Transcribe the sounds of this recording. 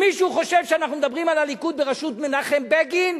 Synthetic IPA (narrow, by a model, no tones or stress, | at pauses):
miʃuχo̞ʃevʃeanaχnumed̪abʁimalalikut̪̚beʁaʃut̪menaχembeɡin